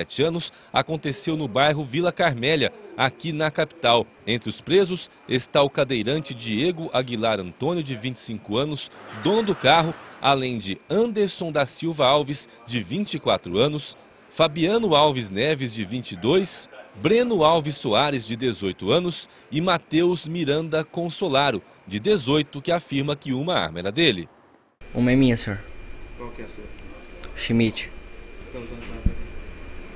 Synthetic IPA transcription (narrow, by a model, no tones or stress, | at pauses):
ɛt͡ʃɪɐ̃nʊs | a̰kõnt̪esewnʊbajɦʊvilɐkaɾmɛʎɐakinɐkapi̥t̪aw | ẽnt̪ɾɪʊspɾezʊs | est̪aʊkad̪ejɾɐ̃nt͡ʃɪd͡ʒieɡʊʔaɡilaɾɐ̃nt̪õnjʊd͡ʒɪvĩt͡ʃɪ̥sĩkʊɐ̃nʊsd̪õnɐd̪ʊkaɦʊa̰lẽj̃d͡ʒɪɐ̃d̪eɾsõd̪ɐsiwvɐawvis | d͡ʒɪvĩt͡ʃikwa̰t̪ɾʊɐ̃nʊs | fabiɐ̃nʊawvɪznɛvɪzd͡ʒɪvĩnt͡ʃɪd̪ojsbɾẽnʊawvɪsːoaɾɪzd͡ʒɪd̪ezojt̪ʊɐ̃nʊs | ɪmat̪ewzmiɾɐ̃nd̪ɐkõsolaɾʊ | d͡ʒɪd̪ezojt̪ʊkɪafiɾmɐkɪũmɐa̰meɾɐd̪elɪ̰ | ṵ̃mɐɛmĩɲɐsoɾkwawkɪɛsɾʃimit͡ʃɪ̥ɪst̪ɐ̃mʊzɐ̃mai